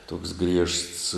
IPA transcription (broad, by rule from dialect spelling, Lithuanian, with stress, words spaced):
toːks ɡrʲiɛʃts